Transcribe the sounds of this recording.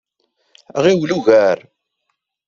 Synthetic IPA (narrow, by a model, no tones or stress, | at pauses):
ʁiwluʝæɾ